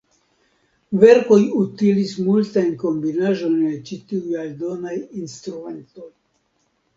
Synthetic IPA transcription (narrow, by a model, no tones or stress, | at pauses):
veɾkojut̪ilismult̪ajnkombinaʒojnlet͡ʃit̪iujald̪onajinst̪ɾument̪oj